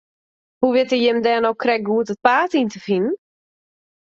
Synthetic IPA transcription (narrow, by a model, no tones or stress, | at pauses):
huʋɪtəjɪmdɛːnowkrɛk̚ɡuətət̚paːtintəfinn̩